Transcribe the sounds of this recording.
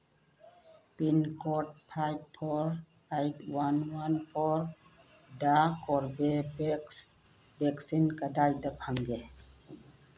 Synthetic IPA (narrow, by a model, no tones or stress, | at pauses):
pinkoʈ̚pʰajb̚pʰoɾ | ajʈwanwanpʰɔɾ | d̪akɔɾbes | beksinkəd̪ajd̪əpʰə̃ŋɡe